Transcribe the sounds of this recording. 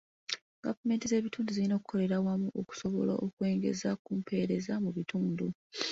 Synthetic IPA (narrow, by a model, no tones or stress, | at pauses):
ɡavume̞ːntize̞ːβituːnduziino̞ːku̥kʰo̞le̞ɾawamuʔoku̥so̞βo̞la̰ʔokwe̞ːŋɡe̞̰zakuːmpʰe̞ːɾe̞zamuβituːndu